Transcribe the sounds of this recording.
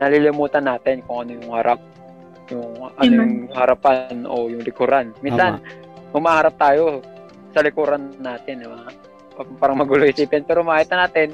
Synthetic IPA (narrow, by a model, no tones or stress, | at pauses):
nɐlɪlɪmuːt̪ɐnːaːt̪ɪnkʊŋɐnojʊŋhɐɾʔap̚ | jʊŋʔɐnojʊŋhɐɾapano̰jʊŋlɪkuɾanminsan | hʊmahaɾap̚t̪aːjo | sɐlɪkuɾɐnːaːt̪ɪnma | kpaːɾɐŋmɐɡuloʔɪsiːpɪnpɛːɾomaʔait̪ɐnaːt̪ɪn